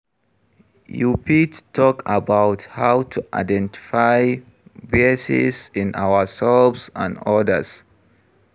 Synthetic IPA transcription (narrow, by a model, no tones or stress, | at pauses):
jupittʰɔkabaʊthawtʰuʔa̰ɪdɛ̃ntʰi̥faj | vesɪ̰sɪ̃na̰wəsɛlvsã̰nɔdəs